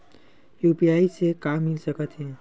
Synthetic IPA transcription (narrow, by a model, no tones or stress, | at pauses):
jupiaisekamːilsəkət̪ɦɛ̃